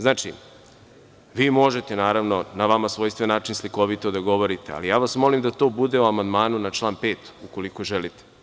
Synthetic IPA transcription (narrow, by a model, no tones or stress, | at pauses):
znaːt͡ʃḭ | ʋiːmo̞ʒe̞t̪e̞naːɾaʋno̞naʋamasʋo̞ːjst̪ʋenaːt͡ʃinsliko̞ʋit̪od̪aɡo̞ʋo̞ɾit̪ea̰lijaːʋasmo̞limd̪at̪o̞ːbud̪e̞uamand̪maːnunat͡ʃlˠaːnpe̞ːt̪uko̞liko̞ʒelit̪e̥